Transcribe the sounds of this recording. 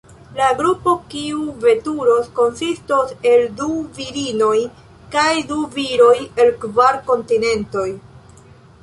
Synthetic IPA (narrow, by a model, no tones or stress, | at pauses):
laɡɾupo̞kiuve̞tuɾo̞sko̞nsisto̞se̞lduviɾino̞j | kajduviɾo̞je̞lkvaɾko̞ntine̞nto̞j